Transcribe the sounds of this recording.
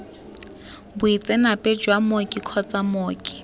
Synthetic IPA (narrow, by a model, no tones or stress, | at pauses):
bʊit͡sʼɛnapʼɛd͡ʒwamokʼikʰɔt͡sʼamoːkʼi̥